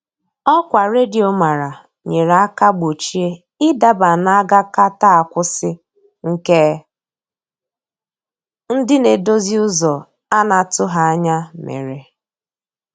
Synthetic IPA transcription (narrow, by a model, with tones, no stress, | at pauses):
ɔ˦kʷa˨ɾe˦di˨o˨ma˨ɾa˨ | ɲe˨ɾa˨a˦ka˦ɡ͡bo˨t͡ʃi˦e˦ | ɪ˦da˦ba˨na˦ɡa˦ka˦ta˦a˨kʷʊ˦sɪ˦ | ŋ̩˦ke˦ | n̩˦dɪ˦ne˨do˦zi˦ʊ˦zɔ˨ | a˦na˨tʊ˦ɦa˦a˦ɲa˦mḛ˨ɾe˨